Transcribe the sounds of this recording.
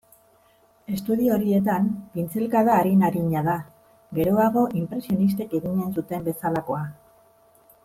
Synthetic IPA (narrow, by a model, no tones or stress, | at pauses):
e̞st̪uðio̞ɾie̞t̪ambint͡selkaðaːɾinaɾiɲaða | ɡe̞ɾo̞aɣ̞o̞ʔimpɾe̞sio̞nis̬t̪eke̞ɣiɲensut̪e̞mbe̞salako̞a